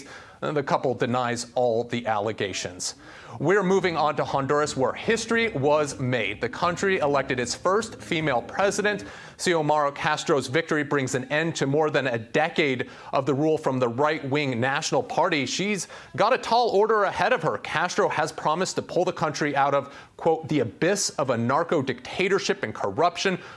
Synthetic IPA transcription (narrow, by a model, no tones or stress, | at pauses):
ðɨkʰʌpl̩ˠdɨnaɪzɔlˠðiʔæ̰lˠəɡeɪʃɨ̰̃nz̥ | wiə˞muvɪ̃ŋə̃ntəhɑ̃ndə˞ɨswə˞hɪstɹ̥iwʌzmeɪd̪̚ðɨkʰʌ̃nt͡ʃɹ̥iɪlɛk̚tɨɾɨtsfɜ˞stfimeɪlˠpʰɹ̥ɛzɨɾɨ̃nt | sioʊmɑɹoʊkʰæstɹ̥oʊzvɪk̚tə˞ibɹɪ̃ŋzɨ̃nɛ̃ntʰɨmɔɹðɨ̃nɨdɛkeɪɾ | ʔʌvðɨɹulˠfɹʌ̃mðəɹaɪt̚wɪ̃ŋnæʃn̩l̩ˠpʰɑɹɾiʃiz | ɡɑɾɨtʰɔlˠɔɹɾə˞ɨhɛɾʌv̥ə˞kʰæstɹ̥oʊəz̥pʰɹ̥ɑmɨstʰɨpʰʊlˠðəkʰʌ̃nt͡ʃɹ̥iaʊɾʌv̥ | kʰw̥oʊt̪̚ðiɨbɪsʌvənɑɹkoʊdɨk̚tʰeɪɾə˞ʃɪpɨ̃nkʰə˞ʌpʃɨ̃n